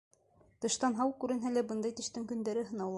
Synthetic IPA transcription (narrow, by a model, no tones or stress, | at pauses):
t̪ɤ̆ʃt̪ɑnɦɑwkʉɾɘ̆nɦælæbɤnd̪ɑjt̪ɘ̆ʃt̪ɘŋkɵ̆nd̪æɾɘɦɤ̆nɑwlˠɑ